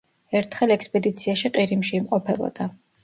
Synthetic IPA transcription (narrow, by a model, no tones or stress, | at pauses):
ɛɾt̪ʰχɛlˠɛkspʼɛd̪it̪sʰiaʃiqʼiɾimʃiːmqʼɔpʰɛbɔ̰d̪̥a